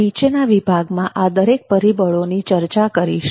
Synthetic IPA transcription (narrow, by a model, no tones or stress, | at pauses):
it͡ʃenaʋibʱaɡmãʔad̪əɾek̚pəɾibəɭonit͡ʃəɾt͡ʃakəɾiʃ